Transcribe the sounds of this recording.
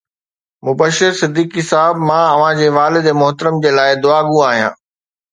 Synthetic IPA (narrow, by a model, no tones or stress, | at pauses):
mʊbəʃɪɾsɪd̪iːkisaɦɪbmãːɐʋ̤ãd͡ʑeːʋaːlɪd̪emʊɦt̪əɾəmd͡ʑeːlaːɪd̪ʊaːɡuaːɦijã̰ː